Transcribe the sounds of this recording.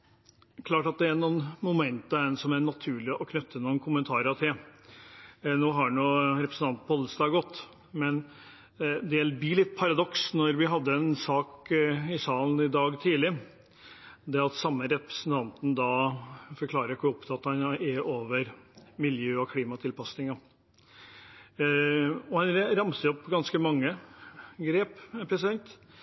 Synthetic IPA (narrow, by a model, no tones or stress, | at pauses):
kʰlɑːʈɑt̪̚d̪ɛæɾnunmʊmɛnt̪əɛnsɔmæɾɳɑt̪ʰʉːɭɪʔɔkʰnʉt̪ʰːənʊːnkʰʊmənt̪ʰɑːɾəɾɑt̪ʰɛ | noːɦɑɳuːɾɛpɾəsn̩t̪ɑnn̩pʰɔhɔləsd̪ɑːɡɔt̪ː | mɛn | d̪elbilɪt̪ːpʰɑɾɑd̪ɔksnɔɾʋɪɦɑd̪ːəɛnsɑːkɪsɑːln̩ɪd̪ɑːɡt̪ʰiːlɪ | d̪ɛɑt̪sɑmːəɾɛpɾə̥sn̩t̪ʰɑnt̪n̩d̪ɑfɔɾklɑːɾəkʰʊɾɔpt̪ʰɑɑt̪ːhɑnɛʔoːʋəɾmɪljøːɔkʰliːmɑt̪ʰɪlpɑsnɪŋɑ | ɔhɑnɾɑmsəjɔpːɡɑnskəmɑŋːə | ɡɾeːppʰɾɛsɪd̪ɛnt̪